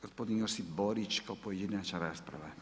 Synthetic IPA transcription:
ɡɔspɔd̪inɔɾsibɔɾit͡ʃkɔpɔjd̪inat͡ʃaɾaspɾa̰ʋa

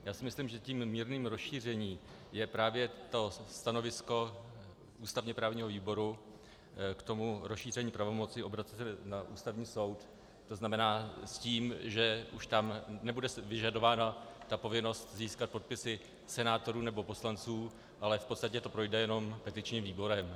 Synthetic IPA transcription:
jaːsɪmɪsliːmʒɛciːmmiːɾniːmɾosʃiːr̝ɛɲiː | jɛpɾaːvjɛt̪o̞st̪ano̞vɪsko̞ | uːst̪avɲɛpɾaːvɲiːɦoviːbo̞ɾu | kt̪o̞muɾosʃiːr̝ɛɲiːpɾavo̞mo̞t͡sɪʔo̞bɾat͡sɛsɛnaʔṵːst̪avɲiːso̞wt̪ | t̪o̞znamɛnaːsciːmʒɛʔuʃt̪amnɛbudɛvɪʒado̞vaːnat̪apo̞vɪno̞st̪ziːskat̪̚po̞t̪̚pɪsɪ | sɛnaːt̪o̞ɾuːnɛbo̞po̞slant͡suː | ʔalɛfpot̪st̪acɛt̪o̞pɾo̞jdɛjɛno̞mpɛt̪ɪt͡ʃɲiːmviːbo̞ɾɛm

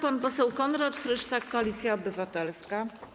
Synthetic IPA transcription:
panpɔsɛwkɔnɾat̪xɾɘʂt̪akːɔalʲit̪sʲjaɔbɘvat̪ɛlska

